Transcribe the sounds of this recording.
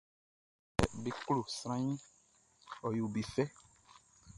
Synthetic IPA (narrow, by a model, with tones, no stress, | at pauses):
ɛ̰˨bi˦klo˨sɾ̃ã˦ɲĩ˦ | ɔ˨jo˨bi˨fɛ˦